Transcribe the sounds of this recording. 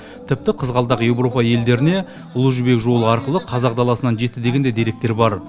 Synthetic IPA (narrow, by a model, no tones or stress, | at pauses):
t̪ʰɪp̚t̪ɪqʰəzʁɑlˠd̪ɑqje̞wɾo̞pɑje̞ld̪e̞ɾɪne̞ | ʊlˠuʒʏbe̞kʒo̞lˠəɑɾqəlˠəqʰɑzɑq̚d̪ɑlˠɑsənɑnʒe̞t̪ːɪd̪e̞ɡʲe̞nd̪e̞jd̪e̞ɾe̞k̚t̪e̞ɾbɑɾ